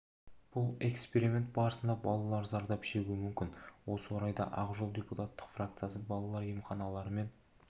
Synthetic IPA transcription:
b̥ʊlˠe̞kspe̞ɾimʲe̞nt̪̚bɑɾəsənd̪ɑbɑlˠɑlˠɑɾzɑɾd̪ɑpʃeuɪmʏmkʲɪnwo̞səwoɾɑjd̪ɑ̰ʔɑqʒolˠdʲeput̪at̪ːə̥qfrakt̪sɨjasəbɑlˠɑlˠɑɾjəmχɑnɑlˠɑɾəme̞n

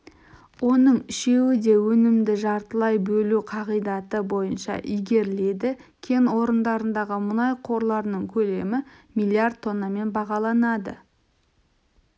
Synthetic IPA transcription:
wo̞nəɴɪʃe̞wɪd̪e̞wɵnɪmd̪ɪʒɑɾt̪əlˠɑjbɵluqʰɑʁijd̪ɑt̪əbo̞jənʃɑ̰ʔijɡʲe̞ɾle̞d̪ɪkʲʰe̞nwo̞ɾənd̪ɑɾənd̪ɑʁəmʊnɑjqʰo̞ɾlˠɑɾnəɴkʲʰɵle̞mɪmilʲˠijard̪̚t̪ʰːo̞nːame̞nbɑʁɑlˠɑnɑd̪ə̰

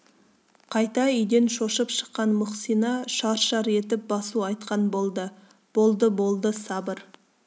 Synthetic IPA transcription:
qʰɑjt̪ɑʏjd̪e̞nʃo̞ʃəpʃə̥qːɑnmʊqsijnɑʃɑɾʃɑɾe̞t̪ɪp̚bɑsuɑjt̪qɑnbolˠd̪ə | b̥o̞lˠd̪əbo̞lˠd̪əsɑbəɾ

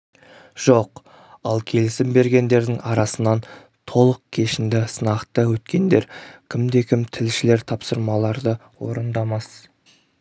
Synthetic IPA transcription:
ʒ̥o̞q | ɑlˠkʲʰe̞lɪsɪmbe̞ɾɡʲe̞nd̪e̞ɾd̪ɪŋɑɾɑsənɑn | t̪ʰo̞lˠəq̚kʲʰe̞ʃɪnd̪ɪsənɑqt̪əwɵt̪kʲe̞nd̪e̞ɾkʲʰɪmd̪e̞kʲʰɪmt̪ʰɪlʃɪle̞ɾt̪ʰɑpsəɾmɑlˠɑɾd̪ə | wo̞̰ɾənd̪ɑmɑs

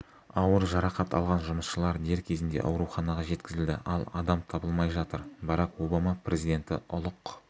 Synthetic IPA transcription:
ɑwəɾʒɑɾɑqɑt̪ɑ̰lˠʁɑnʒʊməsʃəlˠɑɾd̪e̞ɾkʲʰe̞zɪnd̪e̞̰ʔɑ̰wɾuχɑnɑʁɑʒe̞t̪kʲɪzɪld̪ɪ̰ʔɑlˠɑ̰d̪ɑmt̪ʰɑbəlˠmɑjʒɑt̪əɾbɑɾɑqwo̞bɑmɑprʔe̞zid̪e̞nt̪ɪ̰ʔʊlˠəq

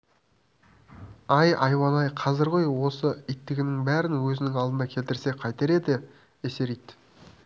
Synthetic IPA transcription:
ɑjɑ̰jwɑnɑjqʰɑzɪɾʁojwo̞səit̪ːɪɡʲɪnɪŋbæɾɪnwɵzɪnɪŋɑlˠd̪ənɑkʲʰe̞lt̪ɪɾse̞qʰɑjt̪eɾe̞d̪ɪ | ese̞ɾijt̪

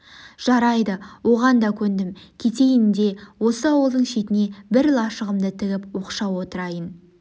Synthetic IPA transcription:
ʒ̥ɑɾɑjd̪əwo̞ʁɑnd̪ɑkʲʰɵnd̪ɪmkʲʰe̞t̪e̞jɪnd̪e̞wo̞səɑwəlˠd̪əɴʃe̞t̪ɪne̞bɪɾlˠɑʃəʁəmd̪ət̪ʰɪɡʲɪpwo̞qʃɑwo̞t̪əɾɑjən

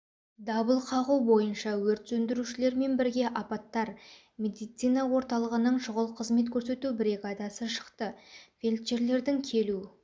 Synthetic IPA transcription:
d̪ɑbəlˠqʰɑʁuwbo̞jənʃɑwɵɾt̪sɵnd̪ɪɾuʃɪle̞ɾme̞nbɪɾɡʲe̞ʔɑpɑt̪ːɑɾ | me̞d̪ijt̪sijnɑwo̞ɾt̪ɑlˠəʁənəɴʒʊʁəlˠqʰəzme̞t̪kʲʰɵɾs̬e̞t̪ubɾʲeɡad̪ɑsəʃə̥qt̪əfʲelʲt̪ʃeɾle̞ɾd̪ɪŋkʲʰe̞lu

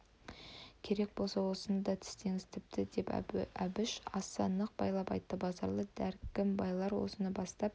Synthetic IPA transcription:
kʲʰe̞ɾe̞k̚bo̞lˠsɑwo̞sənd̪ɑt̪ʰɪ̥st̪e̞ŋɪzt̪ʰɪp̚t̪ɪd̪e̞pæbɪʃɑst̪ɑnːəq̚b̥ɑjlˠɑpɑ̰jt̪ːəbɑzɑɾlˠəd̪æɾkʲɪmbɑjlˠɑɾwo̰sənəbɑst̪ɑp̚

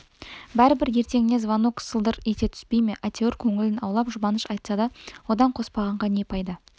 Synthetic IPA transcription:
bæɾɪbɪɾje̞ɾt̪e̞ŋɪne̞zvanuksəlˠd̪əɾet̪e̞t̪ʰʏ̥spe̞jmeʔat̪ʰeoɾkʲʰɵŋɪlɪnɑwlˠɑpʒʊbɑnəʃɑjt̪sɑd̪ɑwo̞d̪ɑɴqʰo̞spɑʁɑɴʁɑnepʰɑjd̪ə

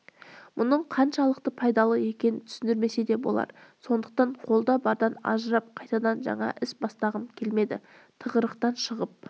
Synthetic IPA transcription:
mʊnəɴqʰɑnʃɑlˠəqt̪əpʰɑjd̪ɑlˠəe̞kʲe̞nɪnt̪ʰʏ̥sɪnd̪ɪɾme̞se̞d̪e̞bo̞̰lˠɑ̰ɾso̞nd̪əq̚t̪ɑɴqʰo̞lˠd̪ɑbɑɾd̪ɑnɑ̰ʒəɾɑp̚qʰɑjt̪ɑd̪ɑnʒɑ̰ɴɑ̰ʔɪsbɑst̪ɑʁəmkʲʰe̞lme̞d̪ɪ̰ | t̪ʰəʁəɾəqt̪ɑnʃəʁəp̚

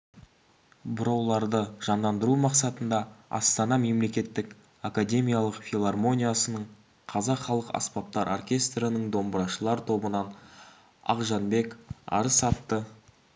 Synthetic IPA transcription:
bʊɾɑwlˠɑɾd̪əʒ̥ɑnd̪ɑnd̪əɾumɑqsɑt̪ənd̪ɑɑ̰st̪ɑnɑme̞mle̞kʲe̞t̪ːɪk | akad̪ʲe̞mʲijalˠəqfʲilˠarmo̞nʲijasənəɴ | qʰɑzɑqχɑlˠəqɑ̰spɑp̚t̪ɑɾʔorkʲe̞st̪ɾənəɴd̪o̞mbəɾɑʃəlˠɑɾt̪ʰo̞bənɑn | ɑ̰qʒɑnbe̞kɑ̰ɾəsɑt̪ːə

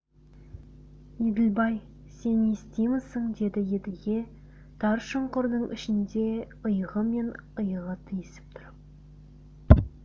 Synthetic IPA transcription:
ed̪ɪlbɑj | se̞nest̪ejmɪsəɴd̪e̞d̪ɪjed̪ɪlɡʲe̞ | t̪ʰɑɾʃəɴqʊɾd̪əɴʔɪ̰ʃɪnd̪e̞ | əjʁəme̞nəjəʁət̪ʰijesɪ̥p̚t̪ʰʊɾəp̚

